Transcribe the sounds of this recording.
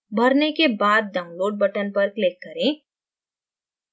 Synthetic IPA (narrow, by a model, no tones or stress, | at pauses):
bʱɐɾnekebaːd̪̚ːaːʊ̃nloːɖ̚bɐʈənpɐɾklɪkːɐɾẽː